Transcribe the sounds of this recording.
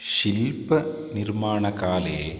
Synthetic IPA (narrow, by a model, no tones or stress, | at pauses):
ɕilpːɐ | nirmaːɳɐkaːle